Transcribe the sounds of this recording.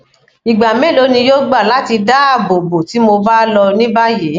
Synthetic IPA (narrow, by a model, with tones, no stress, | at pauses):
i˨ɡ͡ba˨mẽ˨˦lo˨˦nĩ˧jo˦ɡ͡ba˦˨la˨˦ti˧da˦a˦˨bo˨bo˨ti˨˦mo˧ba˦lɔ˧nĩ˦ba˦je˨˦